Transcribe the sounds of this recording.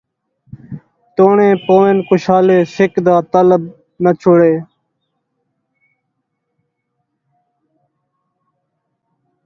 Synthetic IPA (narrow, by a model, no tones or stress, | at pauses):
t̪oːɳẽːpoːenkʊʃaːleːsɪkd̪ãːt̪ələb | mət͡ʃʰʊɽeː